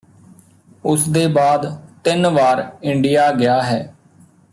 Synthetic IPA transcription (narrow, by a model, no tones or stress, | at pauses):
ʊsd̪eːbaːd̪t̪ɪnʋaːɾɪɳɖɪjaːɡɪjaːɦɛː